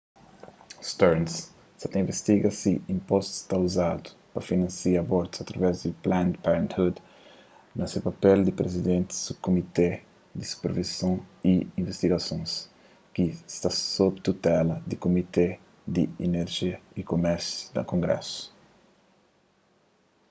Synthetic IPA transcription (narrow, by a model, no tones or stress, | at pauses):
st̪ɛɾns | sat̪ĩvest̪iɡɐsiĩmpɔst̪u̥st̪auzad̪u̥pɐfinɐ̃nsiɐbɔɾt̪u̥sɐt̪ɾɐvɛzd̪iplãnd̪paɾẽnt̪hud̪ | nɐsepɐpɛld̪ipɾezid̪ẽnt̪i̥sub̚komit̪e | d̪isu̥peɾvisõw̃iĩɱvest̪iɡɐsõjs | kist̪asobt̪ut̪ɛlɐd̪ikomit̪e | d̪iineɾʒiɐikomɛɾsju̥d̪ɐ̰kõŋɡɾɛ̰su̥